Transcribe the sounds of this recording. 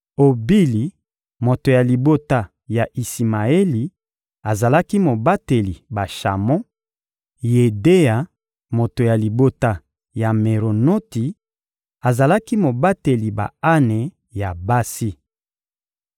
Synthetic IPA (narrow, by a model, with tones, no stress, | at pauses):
o˨bi˦li˨ | mo˨to˨ja˨li˨bo˦ta˦ | ja˨ʔi˨si˨ma˨e˦li˨ | a˨za˨la˦ki˦mo˨ba˦te˨li˨ba˨ʃa̰˨mɔ̃˦ | je˨de˦ja˨ | mo˨to˨ja˨li˨bo˦ta˦ | ja˨me˨ʁo˨no˦ti˨ | a˨za˨la˦ki˦mo˨ba˦te˨li˨ba̰˨a˦ne˨ | ja˨ba˦si˦